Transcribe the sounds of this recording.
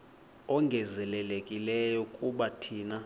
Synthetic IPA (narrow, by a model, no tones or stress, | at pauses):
ɔŋɡʱɛzɛlɛlekʼilɛjɔkʼuɓatʰiːna